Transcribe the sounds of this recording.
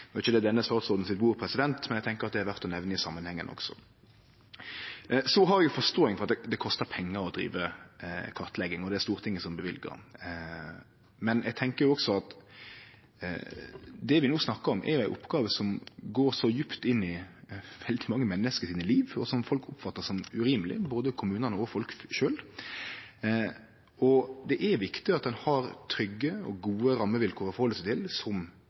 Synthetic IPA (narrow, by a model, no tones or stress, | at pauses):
nɔɪçəd̪ɛd̪ɛnːəst̪ɑʁt̪sɔːd̪n̩sɪt̪buːɾpʰɾɛsɪd̪ɛnt̪mɛnɛɡt̪ʰɛŋkəɾɑt̪̚d̪ɛhæɾʋæʁt̪ɔnɛʋnəɪsɑmːənhɛŋːənʔɔ̰ɡ̥sɔ̰ | sɔɦɑɾɛɡjʊfɔst̪oːɪŋfɔʁɑt̪̚d̪ɛd̪ɛkʰɔst̪əʁpʰɛŋːəɾɔd̪ɾḭːʋəkʰɑʁt̪lɛɡɪŋɔd̪ɛæst̪uːʁt̪ʰɪŋːəsɔmbəʋɪ̰lɡə̰ɾ | mɛnɛɡ̚t̪ʰɛŋkəɾjʊɔɡsɔɑt̪ | d̪ɛʋɪnuːsnɑkːəɾɔmʔɛ̰ɾjʊæɪʔʊpɡɑːʋəsɔmɡoːɾsɔjʉpt̪ɪnːɪʋɛld̪ɪmɑŋːəmɛnːəskəsiːnəliːʋɔsɔmfɔlkʰʊpfɑt̪ːəsɔmʉɾiːməlɪ̰boːd̪əkʰʊmʉːnənəɔfɔlkʃøːl | ɔd̪ɛʔɛɾʋɪkt̪ɪɑt̪̚d̪ɛnhɑɾt̪ʰɾʏɡːəɔ̰ɡuːəɾɑmːəʋɪlkʰoːɾɔfɔɾhɔlːəsɛɪt̪ʰɪlsɔm